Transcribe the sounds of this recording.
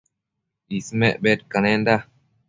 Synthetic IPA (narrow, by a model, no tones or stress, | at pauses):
ismeʔbet̚kanend̪a